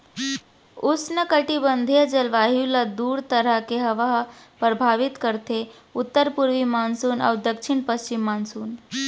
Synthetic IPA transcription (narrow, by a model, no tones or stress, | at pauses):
usnəkəʈibənd̪ʱijəd͡ʑəlʋaɦiwlad̪uːɾt̪əɾakeɦəʋaɦpɾəbʱaʋit̪kəɾt̪ʰe | ut̪ːəɾpuɾʋimansuːna̰wd̪əkʂiɳpəst͡ɕimːansuːn